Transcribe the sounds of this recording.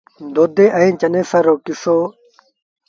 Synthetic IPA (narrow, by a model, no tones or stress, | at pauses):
d̪oːd̪eʔɐĩt͡ɕɐnesɐɾokiso